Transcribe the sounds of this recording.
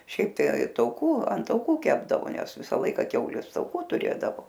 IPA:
ˈʃʲɛɪp tɐɪ tɐʊˈkuː ɐn tɐʊˈkuː ˈkʲæːbdɐʋoː ˈnʲɛs ˈʋʲɪsɐ ˈlˠɐɪkɐ ˈkʲɛʊlʲeːs tɐʊˈkuː tʊˈrʲeːdɐʋoː

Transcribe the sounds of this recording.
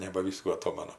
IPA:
nʲɛbɐˈʋʲiːskuː ɐˈtoːmɐnʊ

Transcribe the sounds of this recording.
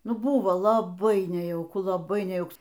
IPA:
ˈnʊ ˈbʊʋoː lˠɐˈbɐɪ nʲɛjɛʊˈkʊ lˠɐˈbɐɪ nʲɛjɛʊˈks

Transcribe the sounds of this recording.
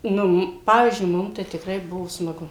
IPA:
ˈnʊ m ˈpɑːʋʲiːzʲd͡ʒʲʊɪ ˈmʊm tɐɪ tʲɪˈkrɐɪ ˈbʊʋoː smɐˈɡʊ

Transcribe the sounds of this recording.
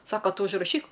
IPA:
ˈsɑːkɐ ˈtʊ ʊʒrɐˈʃʲiːk

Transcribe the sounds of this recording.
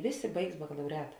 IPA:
ˈʋʲeːˌsʲeː ˈbɐɪks bɐkɐlˠɐʊˈrʲæːtɐ

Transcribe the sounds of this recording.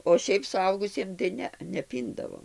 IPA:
oː ˈʃʲɛɪp sʊˈɐʊɡʊsʲiɛm tɐɪ ˈnʲɛ nʲɛˈpʲiːndɐʋoː

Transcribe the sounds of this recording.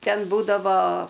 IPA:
ˈtʲɛn ˈbuːdɐʋoː

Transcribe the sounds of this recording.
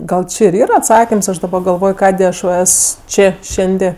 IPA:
ˈɡɐlˠ ˈt͡ʃʲɪ ɪr ˈiːrɐ ɐtˈsɑːkʲɪms ˈɐʃ dɐˈbɐ ɡɐlˠˈʋoːj ˈkɑːdʲeː ˈɐʃ ʋɐ ˈɛs ˈt͡ʃʲeː ˈʃʲɛnʲdʲeː

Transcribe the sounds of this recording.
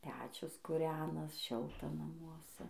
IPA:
ˈpʲæːt͡ʃʲʊs kʊˈrʲæːnɐs ˈʃʲɪlˠtɐ nɐmuɔˈsʲɛ

